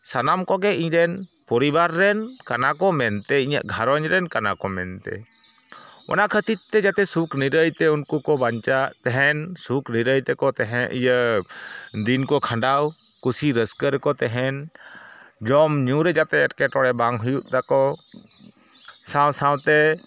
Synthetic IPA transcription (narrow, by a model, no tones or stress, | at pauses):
sanamkɔɡɛiɲɾɛnpɔɾibaɾːɛnkanakɔmɛnt̪ɛiɲə̰ʔɡʱaɾɔɲɾɛnkana̰kɔmɛ̰nt̪ɛ̰ | ɔ̰nakʰət̪it̪ːɛd͡ʒat̪ɛsukniɾəjt̪ɛunkukɔbaɲt͡ʃaʔt̪ɛɦɛnsukʰniɾəjt̪ɛkɔt̪ɛɦɛ̃ʔijə | ɖ̪inkɔkʰãɳɖawkusiɾəskəɾkɔt̪ɛɦɛn | d͡ʒɔmɲũɾɛd͡ʒat̪ɛɛʈkɛʈɔɽɛbaŋɦujuʔ̪t̪akɔ | sãwsãwt̪ɛ